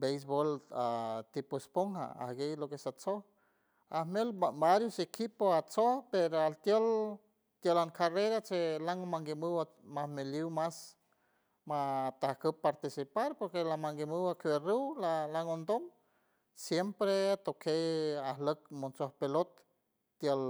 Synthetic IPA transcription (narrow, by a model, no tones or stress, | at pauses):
bejs̬bolat̪ipospoŋha̰a̰hɡejlokesat͡soh | ahmelbaɾjosekipoat͡sohpeɾoalt̪jol | t̪jolaŋkareɾat͡ʃelaŋmaŋɡimɨwa | mahmeliwmas | mat̪ahkəpaɾt̪isipaɾpoɾkelamaŋɡimɨwakerəwlalaŋond̪om | sjempɾeat̪okʰejahlək̚mont͡sohpelot̪̚ː | jəl